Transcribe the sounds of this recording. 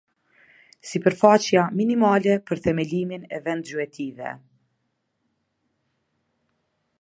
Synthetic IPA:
sipəɾfat͡ʃjaminimalɛpəɾθɛmɛliminɛ̰vɛnd̪zyɛt̪ʰivɛ̰

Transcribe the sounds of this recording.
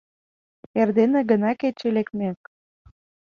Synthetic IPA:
erd̪enĕɡə̆nɑket͡ɕelek̚t̪mek

